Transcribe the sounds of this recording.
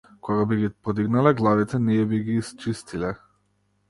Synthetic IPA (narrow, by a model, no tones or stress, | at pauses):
kɔɡabiɡipɔd̪iɡnalɛɡlˠavit̪ʰɛnɛɛbiɡiːst͡ʃist̪ilɛ